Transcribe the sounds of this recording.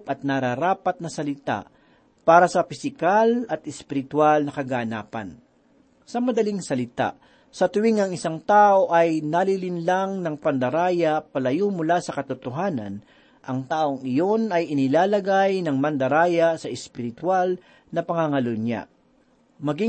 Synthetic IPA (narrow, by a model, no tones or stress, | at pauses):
pɐt̪̚nɐɾaɾaːpɐt̪̚nɐsɐlɪt̪a̰ʔ | paːɾɐsɐpɪsɪkalɐt̪ɛspɪɾɪt̪walnɐkɐɡaːnaːpɐ̰n | sɐmɐd̪ɐliŋsɐlɪt̪a̰ʔ | sɐt̪ʊwɪŋɐŋɪsaŋt̪aːʔo̞ʔɐjnalilɪnlaŋnɐŋpɐnd̪ɐɾaːjɐpɐlɐjumʊlasɐkɐt̪ʊt̪oɦaːnɐ̰n | ʔɐŋt̪aːʔoŋɪjo̞nɐjɪnɪlaːlɐɡajnɐŋmɐnd̪ɐɾaːjɐsɐʔɛspɪɾɪt̪wal | nɐpɐŋaŋɐlʊnja̰ | mɐɡi